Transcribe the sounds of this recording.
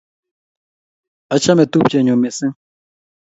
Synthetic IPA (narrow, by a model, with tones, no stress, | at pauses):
a˨t͡ʃʰa˦mɛ˨t̪u˦p̚t͡ʃʼɛ˨ɲɔ˨mɪ˨sɪ̃˦